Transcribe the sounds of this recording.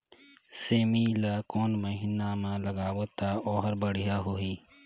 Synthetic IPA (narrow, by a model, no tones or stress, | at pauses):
seːmilakoːnməɦiːnamãləɡaːwot̪aɔːɦəɾbəɽ̤ijaɦoiː